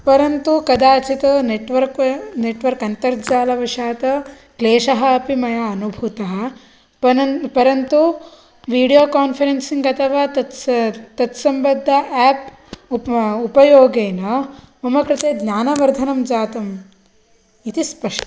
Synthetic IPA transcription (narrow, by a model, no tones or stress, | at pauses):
pɐɾɐnt̪ukɐd̪aːt͡ʃit̪ɐneʈʋɐɾkneʈʋɐɾkɐnt̪ɐɾd͡ʒaːlɐʋɐʂaːt̪ɐ | kleːʂɐɦɐ̆ːpimɐjɐɐnubʱut̪ɐɦɐ | pɐpɐɾɐnt̪u | ʋiːɽijoːkaːnfʰɐɾensiŋɡɐt̪ʰɐʋaːt̪ɐt̪t̪ɐt̪sɐmbɐd̪ʱːɐʔɛːp | upɐjoːɡeːnɐumɐkɾɪt̪eːd̪naːnɐʋɐɾd̪ʱɐnɐmd͡ʒaːt̪ɐm | it̪ispɐʂʈɐ